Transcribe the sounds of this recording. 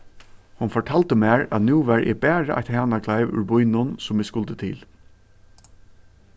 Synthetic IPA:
hʊnfɔʈʰaːlt̪əmæːɹæ̰t̪nuːʋæɹʔɪ̰bæːɹə̰ʔa̰t̪hæːnakʰlaɪʋʏ̰ɹbʊjnʊnsʊmɪskʊlt̪ət̪ʰɪ̰ːl

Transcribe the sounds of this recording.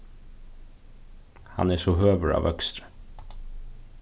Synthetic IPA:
hɑ̰neːsoːhøːʋəɹɑ̰ːʋœkst̪ɾə̥

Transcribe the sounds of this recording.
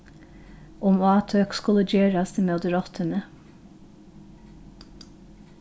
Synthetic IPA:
ʔɔmoɑːt̪ʰøːkskʉləd͡ʒøːɾɑst̪əmeːd̪əɾɔt̪ʰənə

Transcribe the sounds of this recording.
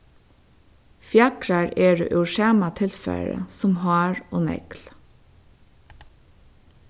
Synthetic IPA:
fjɑkɹɑɹeːɹḛːʔʉːʃeːmɑt̪ʰɪlfæ̰ɹə̰sɔmhɑːɹʔoːnɛ̰kl

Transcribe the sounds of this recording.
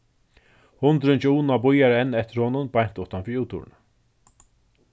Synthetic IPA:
hʊnt̪ɾʏnt͡ʃuːnabʊjaɾɛnːɛht̪ɪɾ̥hoːnʊnbajɲ̥t̪ʊht̪anfɪɾuːt̪ṵɾɪna

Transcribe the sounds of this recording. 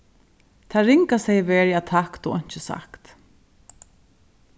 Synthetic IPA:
t̪ʰaːɾɪŋkasɛjvɛːɹjat̪ʰakt̪ɔɣɔɲ̥t͡ʃɪsa̰kt̪

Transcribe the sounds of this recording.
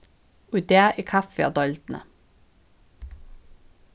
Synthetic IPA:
ʊd̪eʔiːkʰɑfɪɑ̰d̪ɔlt̪n̩ə̰

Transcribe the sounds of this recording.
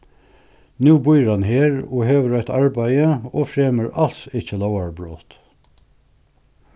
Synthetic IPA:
nʉːbʊjɾɑnheːɹo̰ːheːʋəɾœʏt̪ɑɹbæɪəoːfɹeːməɹʔɑlsɪçəlɔʊaɹbɹoːt̪

